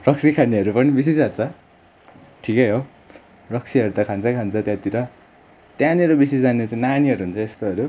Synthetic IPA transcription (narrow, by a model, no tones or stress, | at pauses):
rʌksikʰaniʌɾupʌnibis̬isd͡zat̪̚t͡sʰʌ | ʈʰikʌɦo | rʌksʰiʌɾut̪ʌkʰant͡sʰʌkʰant͡sʰʌt̪jãt̪iɾʌ | t̪janiɾobisisd͡zanet͡saj̃naniʌɾuɦunt͡sʰʌest̪oʌɾu